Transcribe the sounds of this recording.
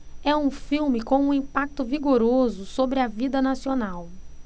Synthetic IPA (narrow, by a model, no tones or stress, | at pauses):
ɛũfiwmɪkõw̃ũĩpak̚t̪ʊviɡoɾozʊsobɾɪɐvid̪ɐnasionaw